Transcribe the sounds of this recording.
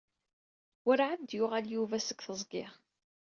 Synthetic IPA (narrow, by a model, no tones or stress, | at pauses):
wəɾʕad̪jʊʁaljuvæsəɡθəzˤɡɪʁ